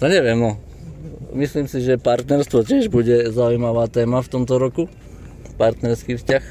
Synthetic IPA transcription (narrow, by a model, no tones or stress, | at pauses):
t̪ɔɲɛʋɪɛmnɔ | misliːmsiʒɛpaɾt̪nɛɾst̪ʋɔcɪɛʒbuɟɛzaujmaʋaːt̪ɛːmaft̪ɔmt̪ɔɾɔku | paɾt̪nɛɾskiːfscax